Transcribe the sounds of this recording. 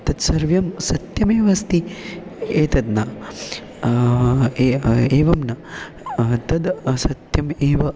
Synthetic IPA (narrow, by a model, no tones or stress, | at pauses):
t̪ɐt̪sɐɾʋjɐmsɐt̪jɐmeːʋɐst̪i | eːt̪ɐd̪nɐ | eːʋɐmnɐ | t̪ɐd̪sɐt̪jɐmeːʋɐ